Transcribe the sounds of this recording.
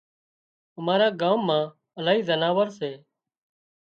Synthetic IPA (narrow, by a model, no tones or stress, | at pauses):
əmaːɾãːɡaːmːãː | əlaːɦiːzənaːʋəɾseː